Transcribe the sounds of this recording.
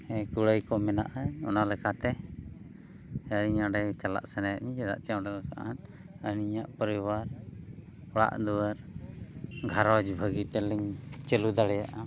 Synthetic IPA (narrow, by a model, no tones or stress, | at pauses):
ɛkuɽəjkɔmɛna̰ʔaɔ̰nalɛkat̪ɛ | əɾiɲaɖɛt͡ʃala̰ʔsɛnaja̰ʔɲĩɛd̪a̰ʔt͡ʃiaɖɛlɛka̰ʔan | əniɲaʔpəɾiwaɾ | ɔɽa̰ʔd̪uwəɾ | ɡʱaɾɔd͡ʒbʱəɡit̪ɛlɛɲt͡ʃəlud̪aɽɛja̰ʔa